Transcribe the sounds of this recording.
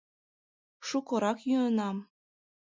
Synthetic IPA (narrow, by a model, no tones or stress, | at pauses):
ʃukɤ̆ɾɑkjyənɑm